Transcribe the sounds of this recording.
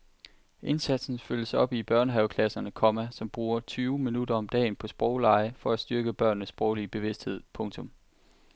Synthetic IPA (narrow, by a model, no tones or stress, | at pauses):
ʔe̝nsæd̥sn̩føləsɒ̽b̥ib̥ɶɐnəɦæʊkʰlæsɐnəkʰɒ̽mæsɒ̽mb̥ʁuːɐt͡sʰyːʊminudɐɒ̽md̥ɛ̰ːnpʰɒ̽sb̥ʁɒʊlɑ̈ɪəfɒ̽æsd̥yɐɡ̥əb̥ɶɐ̰nːəsb̥ʁɒʊlib̥e̝ʋe̝sd̥he̝ð̞̰ˠpʰɔ̽ŋt͡sʰɔ̽m